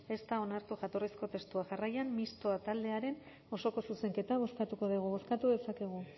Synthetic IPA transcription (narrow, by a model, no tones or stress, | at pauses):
e̞st̪ao̞naɾt̪uʝat̪o̞risko̞t̪e̞st̪uaʝarajammist̪oat̪ald̪e̞aɾe̞n | o̞so̞ko̞suse̞ŋke̞t̪aβ̞o̞skat̪uko̞ðeɣ̞uβ̞o̞skat̪uðe̞sake̞ɣ̞u